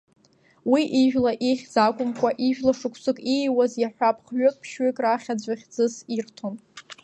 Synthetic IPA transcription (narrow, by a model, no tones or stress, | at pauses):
wiʔiʒᶣlaʔiχʲd͡zakʷʼʊmkʷʼaʔiʒᶣlaʂɨkʷʰsɨkʼijwazjaħʷᶣapʰʼχɥʏkʼpʰʃɥɪkʼraχʲad͡ʑʷaχʲd͡zɨsirtʰon